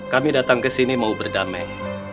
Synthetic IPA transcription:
kamidat̪aŋkəsinimaubərdamɛ

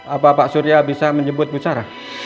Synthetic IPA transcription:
apapaʔsuɾiabisaməɲd͡ʒəbʊt̪̚but͡ʃaɾa

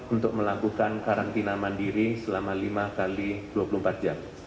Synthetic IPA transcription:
unt̪ʊk̚məlakukankaɾant̪inamandiɾisəlamalimakalid̥uapulum̩pat̪̚d͡ʒam

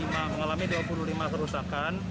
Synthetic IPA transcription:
imaməŋalamiduapuluhlimat̪əɾusakan

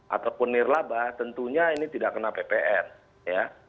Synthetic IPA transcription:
ʔa̰t̪apʊnːɪrlabat̪ənt̪uɲainit̪idaʔkənapepeʔɛn | ja

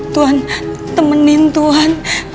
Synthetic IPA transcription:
t̪uɦant̪əmənɪnt̪uɦan

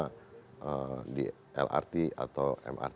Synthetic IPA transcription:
aədi | ɛ̰lʔa̰rt̪ia̰t̪awʔɛ̰mʔa̰rt̪

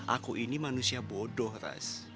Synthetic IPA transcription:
ʔa̰koʔinimanusiabɔdɔhɾa̰s

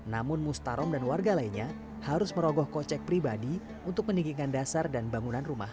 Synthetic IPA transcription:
namʊnmust̪aɾɔmdanwarɡalainɲa | haɾʊsməɾɔɡɔhkɔt͡ʃɛk̚pɾibadi | unt̪ʊk̚məniɡiŋandasardanbaŋunanruma̰h

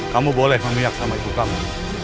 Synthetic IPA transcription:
kamubolɛhməmijak̚samait̪ukamu

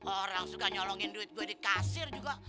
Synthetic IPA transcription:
ʔoɾaŋsukaɲɔlɔŋɪnduɪt̪̚ɡuadikasɪrd͡ʒuɡa

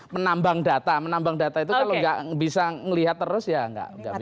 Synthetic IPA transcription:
mənambaŋdat̪amənambaŋdat̪ait̪̬ukaloŋɡa̰ʔbisaŋəliɦat̪ːəɾʊsjaŋɡa̰ʔŋɡa

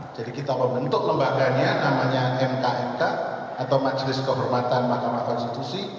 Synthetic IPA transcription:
d͡ʒadikit̪aməmbənt̪ʊk̚ləmbaɡaɲanamaɲaʔɛnkaʔɛnkaː | t̪awmad͡ʒlɪskəɦɔrmat̪anmahkamahkɔnst̪it̪usi

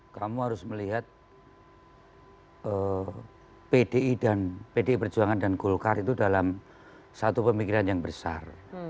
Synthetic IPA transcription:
kamuɦaɾʊsməliɦat̪̚ | ə | pedeidanpedeipərd͡ʒuaŋandankulkarit̪udalam | sat̪upəmikiɾanjaŋbəsa̰r

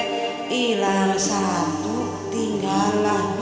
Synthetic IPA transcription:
ʔilansat̪u | t̪iŋɡalːan

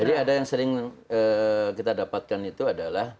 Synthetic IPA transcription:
d͡ʒadiadajaŋsəɾɪŋəkit̪adapat̪̚kanit̪uadalah

